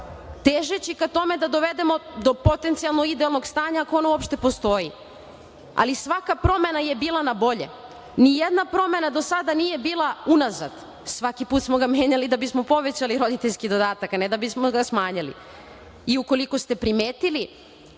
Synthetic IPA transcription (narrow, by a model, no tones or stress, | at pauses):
t̪eʒet͡ɕikat̪o̞me̞d̪ad̪o̞ʋe̞d̪e̞mo̞d̪o̞po̞t̪ent̪sialnoid̪ealˠnoɡst̪aːɲaakoonouopʃt̪e̞po̞st̪o̞ji | a̰lisʋakapɾo̞me̞naje̞biːlˠanabo̞ʎe̞̰ | nijed̪napɾo̞me̞nad̪o̞sad̪anije̞biːlˠaunaza̰d̪ | sʋakipuːt̪smo̞ɡamje̞ːɲalid̪abismo̞po̞ʋe̞t͡ɕaliɾo̞d̪it̪eʎʲskid̪o̞d̪aːt̪akaned̪abismoɡasmaːɲalḭ | iuko̞liko̞st̪e̞pɾimeːt̪ili